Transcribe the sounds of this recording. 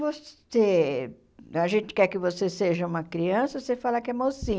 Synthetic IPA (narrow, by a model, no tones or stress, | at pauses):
vos | e | aʒẽnt͡ʃɪ̥kɛɾkɪvoseseʒɐũmɐkɾiɐ̃sɐsefalɐkɪɛmawsĩ